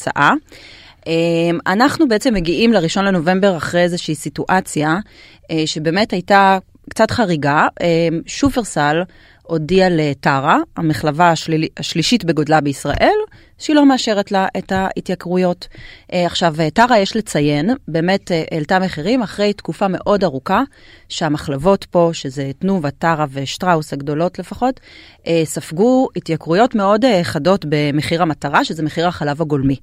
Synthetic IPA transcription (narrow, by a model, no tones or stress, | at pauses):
t͡sa̰ʔa | ʔemanaχnubeet͡se̞mːeɡiʔimleʁiʃo̞nle̞no̞ve̞mbe̞ʁaχʁejezeʃiːsituʔat͡sja | eʃe̞be̞ːmethajta | kt͡satχaʁiɡaemʃuveʁsal | o̞dialetaʁaameχlavaːʃaʃliʃitbe̞ɡo̞dlabeisʁa̰ʔe̞l | ʃeilo̞meaʃe̞ʁetlaʔetaitjakʁujo̞tʔaχʃavetaʁajeʃlet͡saje̞nbe̞ːme̞teʔeltameχiʁimaχʁe̞jtkufame̞ʔo̞daʁuka | ʃeamaχlavo̞tpo̞ʃezetnuvataʁaveʃtʁaushaɡdo̞lo̞tlefaχo̞t | ʔesafɡuitjakʁujo̞tme̞o̞deχado̞tbe̞meχiʁamataʁaʃezemeχiʁaχalavaɡo̞lmi